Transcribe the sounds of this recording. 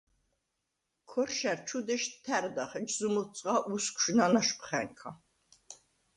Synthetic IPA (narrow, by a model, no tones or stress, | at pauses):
kʰɔrʃæɾt͡ʃʰud̪ɛʃt̪ʰæɾd̪aχɛd͡ʒzumut͡sʼʁaʔuskʷʰʃnanaʃpʰχɛ̰ŋkʰa